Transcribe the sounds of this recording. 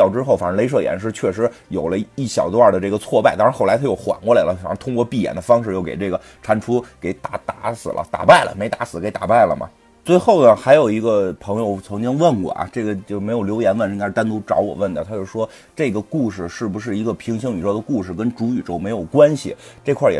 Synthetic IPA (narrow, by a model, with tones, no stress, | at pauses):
jɑ˥˩ʊʈ͡ʂɻ̩˥xo˥˧˩ʊfa̰˨˩n˧˥le˥ɪʂ̬ɤ˥˩jɛ̰˧˥nʂ̬ɻ̩˧˥t͡ɕʰɥɛ˥˩ʂ̬ɻ̩˧˥jo˨˩ʊlə˦i˥˩ɕjɑ˨˩ʊt̪wa˥˧˩d̪ə˩ʈ͡ʂɤ˥˩ɡə˩t͡sʰwɔ˥˧pa˥˧ɪt̪a˥˧˥xla˧˥ɪt̪ʰjo˥˩ʊxwa̰˨˩nkwɔ˥˩la˧ɪlə˧˩fn˧˥t̪ʰʊ˥ŋkwɔ˥˧pi˥˩jɛ̰˨˩nd̪ə˦fɑ˥ŋʂɻ̩˥˧jo˥˩ke˨˩ɪʈ͡ʂɤ˥˩ɡə˩ | ʈ͡ʂʰa˧˥nʈ͡ʂʰu˥ke˧˩ɪt̪a˨˩˥t̪a˧˥sɹ̩˨˩lʔə̰˦t̪a̰˨˩pa˥˩ɪlə̰˩me˧˥ɪt̪a˧˥sɹ̩˨˩ke˧˥ɪt̪a̰˨˩pa˥˩ɪlə̰˩mɐ̰˩ | t͡swe˥˧ɪxo˥˩ʊnə˩xa˧˥ɪjo˨˩ʊi˧˥ɡə˧pʰɤ˧˥ŋjo˧ʊt͡sʰɤ˧˥ŋt͡ɕi˥ŋwə˥˩nkwɔ̰˨˩ʔɐ̰˧˩ʈ͡ʂɤ˥˩ɡə˩t͡ɕjo˥˩me˧˥ɪjljo˧˥ʊjɛ˧˥nwə˥˧n˧˥ŋɡt̪a˥nt̪u˥ʈ͡ʂɑ̰˧˥ʊwɔ̰˨˩wə˥˩nə˨˩t̪ʰa˥jo˥˩˧ʂwɔ˥ | ʈ͡ʂɤ˥˩ɡə˩ku˥˧ʂɻ̩˥˧ʂɻ̩˥˩bu˧˩ʂ̬ɻ̩˥˩i˧˥ɡə˧pʰi˧˥ŋɕi˥ŋy˨˩ɻo˥˩d̪ə˧ku˥˩ʂɻ̩˥˩kə˥nʈ͡ʂu˧˥y˨˩ʈ͡ʂo˥ʊme˧˥ɪjo˨˩ʊkwa˥nɕḭ˨ʈ͡ʂɤ˥˧kʰwa˥˩jɛ̰˨˩